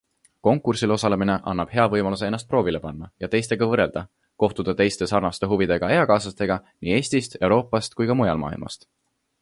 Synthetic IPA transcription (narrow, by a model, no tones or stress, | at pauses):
ko̞ŋkːˑursilo̞sɑle̞mine̞ʔɑnːɑb̥ɦe̞ɑvɤjmɑlus̬eenːˑɑst̪̚pro̞ːvile̞pɑnːɑjɑt̪e̞jst̪e̞ɡ̥ɑvɤre̞ld̪̥ɑ | ko̞ht̪ud̪̥ɑt̪e̞jst̪e̞sɑrnɑst̪e̞ɦuvid̪̥e̞ɡ̥ɑejɑkɑːsɑt̪e̞ɡ̥ɑnie̞ːsʲt̪ist̪e̞wɾo̞ːpˑːɑst̪kujkɑmujɑlmɑ̰ːḭlmʔɑ̰st̪